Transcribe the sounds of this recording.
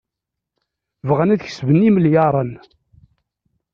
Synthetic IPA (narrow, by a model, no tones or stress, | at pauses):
vʁænæðç̥svənːiməljɑɾˤən